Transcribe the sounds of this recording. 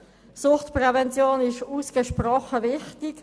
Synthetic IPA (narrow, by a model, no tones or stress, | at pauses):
sʊχtprɛvɛnt͡sjoːnɪʃuːsɡ̥əʃprɔχəvɪχtɪk